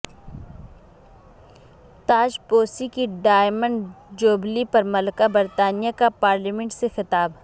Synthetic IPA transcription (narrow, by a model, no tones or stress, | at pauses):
t̪aːd͡ʒpoːsikiɖaːɪmə̃ɳɖd͡ʒoːblipɐɾmɐləkabɐɾt̪aːnijakapaːɾlimẽɳʈsexɪt̪aːb